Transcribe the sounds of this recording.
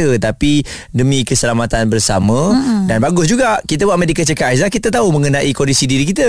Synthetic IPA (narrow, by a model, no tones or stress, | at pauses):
ət̪api | dəmĩkəsəlamat̪anbərsa̰mə̃danbaɡʊsd͡ʒuɡaʔkit̪abwaʔmedikət͡ʃəkas̬lahkit̪at̪aumə̃ŋənãʔikɔndisidiɾikit̪ə